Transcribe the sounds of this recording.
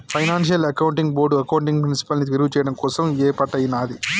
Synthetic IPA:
pʰɐjnaːnʃjɐlɐkɐwuɳʈiŋɡboːɾɖuɐkɐwɳʈiŋɡpɾinsi̥pɐlnit̪iɾuɡut͡ʃɛːjɐɽɐmkɔːsɐmɛːpɐʈːɐjinaːd̪i

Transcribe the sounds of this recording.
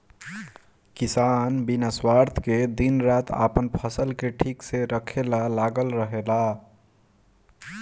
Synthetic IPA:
kisanbinəswaɾt̪ʰked̪inɾat̪a̰pənpʰəsəlkeʈʰikseɾəkʰelalaɡəlɾəɦela

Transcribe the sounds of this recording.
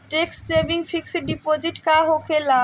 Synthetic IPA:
ʈeksʈsebiŋfʰiksiɖipod͡ʑiʈkaɦokʰela

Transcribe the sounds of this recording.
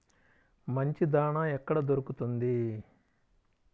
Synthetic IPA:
mɐɲt͡ʃid̪aːɳaɛkːɐɽɐd̪oɾukut̪und̪i

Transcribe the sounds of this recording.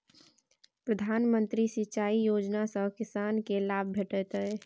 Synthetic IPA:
pɾəd̪ʱaːnmə̃nt̪ɾisɪt͡ʃaːijoːd͡ʒnasə̃kɪsaːnkelaːb̚bʱeʈət̪əɛ

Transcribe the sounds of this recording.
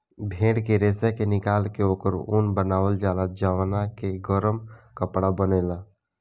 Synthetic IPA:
bʱẽːɽkeɾeːsɛkenɪkaːlkeoːkəɾṵnbənaːʋəld͡ʒaːlad͡ʒawnakeɡəɾəmkəpɽabəneːla

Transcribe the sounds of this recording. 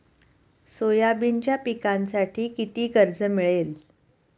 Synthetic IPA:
sojabiɲt͡ɕjapikãnsaʈʰiːkit̪iːkəɾd͡zəmiɭel

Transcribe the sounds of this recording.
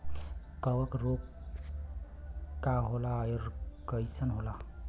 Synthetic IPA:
kəwəkɾok | kːaɦolajoɾkəjsənɦola

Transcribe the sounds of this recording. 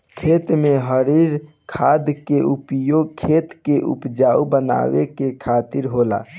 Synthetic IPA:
kʰet̪meɦəɾiɾ | kʰad̪keʔupjoɡ̚kʰet̪keʔṵpd͡ʒaubəna̰ʋḛkekʰat̪iɾɦola̰

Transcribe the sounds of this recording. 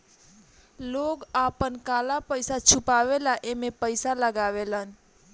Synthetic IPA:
loɡapənkalapəɪsat͡ʃʰupaʋelaʔemepəɪsaləɡaʋelən

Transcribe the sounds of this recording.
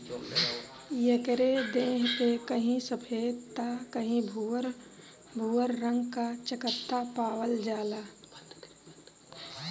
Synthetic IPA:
jəkəɾed̪eːɦpekəɦĩsəpʰeːt̪akəɦĩbʱɾ | bʱuːəɾːə̃ŋɡkat͡ʃəkət̪ːapaːwəld͡ʒaːlaː

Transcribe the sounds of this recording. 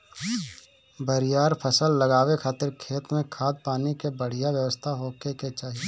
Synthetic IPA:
bəɾɪjaːɾpʰəsəlːəɡaːwekʰaːt̪ɪɾkʰeːt̪mẽkʰaːd̪̚paːnikebəɽ̤ijaʋjəʋəst̪ʰaɦoːkeket͡ʃaːɦie

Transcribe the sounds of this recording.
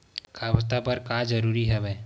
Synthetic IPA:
kʰabt̪apəɾkad͡ʒəɾuːɾiɦɛbɛː

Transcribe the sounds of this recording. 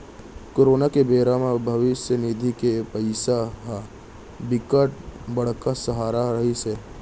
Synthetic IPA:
koːɾoːnakebeːɾamẽbʱɐʋɪsjənid̪ʱikepəɪsaɦa | bɪkəʈ̚bɐɽ̤kasəɦaːɾaɾɐɦise

